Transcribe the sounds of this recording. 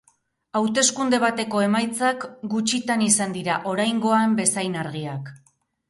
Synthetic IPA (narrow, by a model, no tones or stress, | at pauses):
awt̪e̞skund̪e̞β̞at̪e̞ko̞e̞majt͡sakɡut͡ʃit̪anisand̪iɾaʔo̞ɾajŋɡo̞ambe̞sajnaɾɣiak